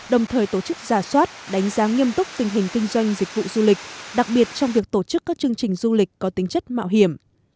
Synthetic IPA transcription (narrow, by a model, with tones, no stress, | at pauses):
ɗə˨˩wŋ͡mt̪ʰəː˨˩jt̪o˧˩t͡ɕɨ˦˥k̚z̥aː˧˩swaː˦˥t̚ɗa˨˦jŋ̟zaː˨˦ŋi˧əmt̪ʊ˦˥k͡p̚t̪ï˨˩ŋ̟ɦï˨˩ŋ̟kï˧ŋ̟zwa˧jŋ̟zï˨˩k̟̚vṵ˧˨zu˧li˨˩k̟̚ɗa˨˩k̚ɓi˨˩ət̚t͡ɕɔ˧wŋ͡mvi˨˩ək̚t̪o˧˩t͡ɕɨ˦˥kːaː˦˥k̚t͡ɕɨ˧əŋt͡ɕï˨˩ŋ̟zu˧li˨˩k̟kɔ˨˦t̪i˨˦ŋ̟t͡ɕə˦˥t̚ma̰ː˧˨wɦi˨˧˩əm